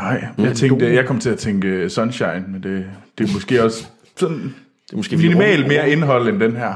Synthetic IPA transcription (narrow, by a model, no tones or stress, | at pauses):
ɑ̈ɪ̰jɑ̈ɪt͡sʰeŋd̥əjɑɪkʰɒ̽mt͡sʰe̝æt͡sʰeŋɡ̥əsɒ̽nɕɑ̈ɪ̰nmend̥e̝d̥e̝mɒ̽sɡ̥e̝̰ːɒ̽s | sɒ̽n | minimɛ̰ːl̥me̝ːɐe̝nɦɒ̽l̰end̥enɦæɐ̰